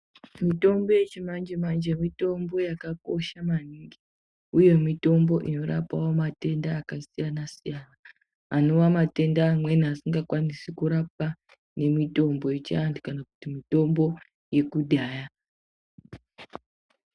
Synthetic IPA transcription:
mito̞mbo̞je̞t͡ʃimand͡ʒemand͡ʒemito̞mbo̞jakako̞ʃamaniŋɡi | uje̞mito̞mbo̞ʔino̞ɾa̰pawomate̞ndaːkasijanasijana | ano̞ʋamate̞ndaːmwe̞niasiŋɡakwanisikuɾap̚a | ne̞mito̞mbo̞jet͡ʃiandukanaku̥timito̞mbo̞ | je̞kuɗaːja

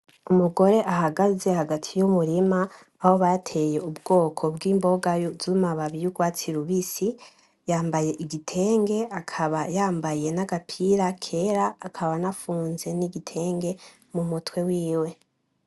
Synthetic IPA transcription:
umuɡo̞ɾe̞ʔahaɡaze̞haɡatʰijumuɾimaː | ho̞βajatʰe̞je̞ubɡo̞ːkʰo̞bɡiːmbo̞ɡajozumaβaβijuɡwaːt͡siɾuβisi | jaːmbaje̞ʔiɡitʰe̞ːŋɡe̞akʰaβajaːmbaje̞naɡapʰiɾakʰe̞ɾaːkʰaβanafuːnze̞niɡitʰe̞ːŋɡe̞ | mumutwe̞wiːwe̞

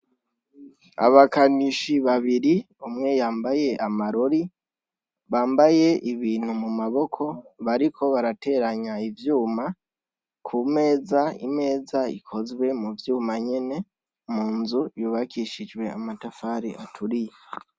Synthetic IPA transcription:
a̰βakaniʃiβaβiɾi | umŋe̞jaːmbaje̞ʔamaɾo̞ɾi | βaːmbaje̞ʔiβiːn̥humumaβo̞kʰo̞βaɾiko̞βaɾate̞ːɾaɲaivjuːma | kʰume̞ːzaḭme̞ːzaḭkʰo̞zwe̞muvjuːmaɲene̞ | muːnzujuːβakʰiʃid͡ʒwe̞a̰matafaːɾḭʔa̰tʰuɾije

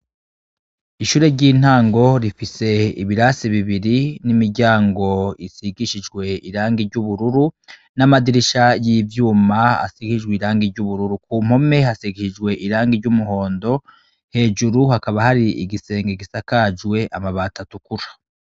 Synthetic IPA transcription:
iʃuːɾe̞ɾɟiːn̥aːŋɡo̞ɾifise̞ḭβiɾaːsiβiβiɾinimiɟaːŋɡo̞isiɡiʃid͡ʒɡwe̞iɾaːŋɡiɾɟuβuɾuɾu | namadiɾiʃajiːvjuːmaa̰siɡiid͡ʒɡwiɾaːŋɡiɾɟuβuɾuɾukum̥ho̞me̞hasiɡiʃid͡ʒɡwe̞ʔiɾaːŋɡiɾɟumuho̞ːndo̞ | he̞ːʒuɾuhakaβahaɾiiɡise̞ːŋɡeɡisakad͡ʒwe̞ʔamaβaːtʰatukuɾḁ

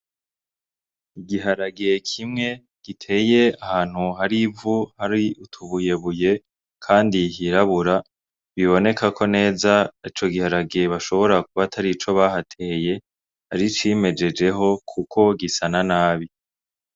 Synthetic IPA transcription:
iɡiɦaɾaɡekʰimŋe̞ | ɡ̥itʰe̞ːje̞ahaːn̥huɦaɾivuhaɾiutʰuβuje̞βuje̞ | kʰaːndiɦiɾaβuɾa | βiβo̞ne̞kakʰo̞ne̞ːzait͡ʃo̞ɡihaɾaɡeβaʃo̞βo̞ɾakuβatʰaɾit͡ʃo̞βaɦatʰe̞ːje̞ | haɾit͡ʃime̞d͡ʒe̞d͡ʒe̞ɦo̞kʰukʰo̞ɡisananaːβi

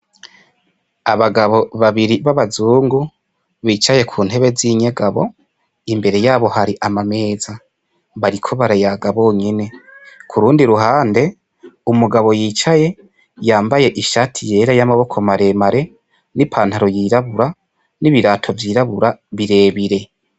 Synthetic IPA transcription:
aβaɡaβo̞βaβiɾiβaβazuːŋɡu | βiːt͡ʃaje̞kʰuːnhe̞βe̞ziɲe̞ɡaβo̞̰ | imbe̞ɾe̞jaːβo̞haɾiʔamame̞ːza | βaɾikʰo̞βaɾajaɡaβo̞ːɲene̞kʰuɾuːndiɾuɦaːnde̞ | umuɡaβo̞jiːt͡ʃaje̞ | jaːmbaje̞ʔiʃatʰije̞ːɾajamaβo̞kʰo̞maɾe̞maɾe̞ | nipʰaːn̥haɾo̞jiːɾaβuɾa | niβiɾaːtʰo̞vjiːɾaβuɾaβiɾe̞βiɾe̞

